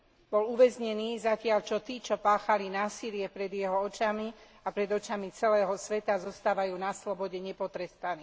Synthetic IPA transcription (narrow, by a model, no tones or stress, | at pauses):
bɔluʋɛzɲɛniːzacɪaʎt͡ʃɔt̪iːt͡ʃɔpaːxalinaːsilɪɛpɾɛd̪jɛɦɔɔt͡ʃami | apɾɛd̪ɔt͡ʃamit͡sɛlɛːɦɔsʋɛt̪azɔst̪aːʋajuːnaslɔbɔɟɛɲɛpɔt̪ɾɛst̪aniː